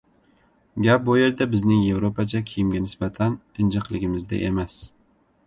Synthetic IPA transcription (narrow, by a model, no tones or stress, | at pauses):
ɡʲap̚bojeɾd̪abɪznɪŋje̞vɾopat͡ʃʰakʲʰɪjɪmɡʲanɪsbat̪ʰan | ɪnd͡ʒɨqlˠɪɡʲɪmɪzd̪a̰ʔḛmas